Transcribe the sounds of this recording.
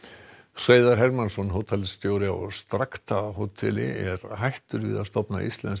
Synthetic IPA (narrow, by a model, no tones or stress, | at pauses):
sveːjðaɾ̥ɦɛɾmansɔnɦoːwt̪ʰɛlst̪joːwɾɪaɔɣst̪ɾakt̪ʰaɦowt̪ʰɛlɪɛɾɦajht̪ʏɾvɪ̰ːðast̪ɔpna̰ʔḭst̪lɛns